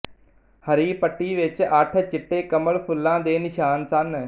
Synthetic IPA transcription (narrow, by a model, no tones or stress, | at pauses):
həɾiːpəʈːiːʋɪt͡ʃəʈʰt͡ʃɪʈːeːkəməɭpʰʊlːãːd̪eːnɪʃaːnsən